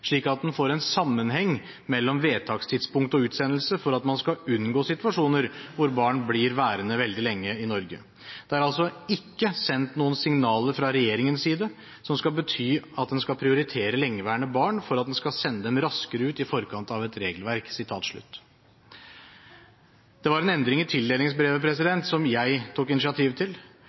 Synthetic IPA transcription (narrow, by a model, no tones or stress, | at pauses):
ʂɭiːkɑt̪̚d̪ɛnfoːɾɛnsɑmːənɦɛŋː | mɛlːɔmʋeːt̪ʰɑːkst̪ʰɪd̪spʊŋk̚t̪ɔʉːt̪sɛnːəlsəfɔɾɑt̪mɑnskɑʉnːɡoːsɪt̪ʉɑʂuːnəɾʋʊɾbɑːɳblɪɾʋæːɾənəʋɛld̪ɪlɛŋːəɪnɔɾɡə̰ | d̪̥ɛæɾɑlsɔɪkːəsɛnt̪nuːənsɪŋnɑːləɾfɾɑɾɛjeːɾɪŋənsiːd̪ə | sɔmskɑlbət̪ʰyːɑt̪̚d̪ɛnskɑlpʰɾɪʊɾɪt̪ʰeːɾəlɛŋːəʋæːəɳəbɑːɳfɔɾɑt̪̚d̪ɛnskɑsɛnːəd̪ɛmɾɑskəɾəʉːt̪ɪfɔɾkʰɑnt̪ɑʋɛt̪ɾeːɡəlʋæɾksɪt̪ʰɑ̰ːt̪ʂɭʉ̰t̪ː | d̪̥ɛʋɑɾɛnɛnd̪ɾɪŋɪt̪ʰɪld̪eːlɪŋsbɾeːʋəpʰɾɛsɪd̪ɛnt̪sɔmjæɪt̪ʰukɪnɪsɪɑt̪ʰiːʋt̪ʰɪl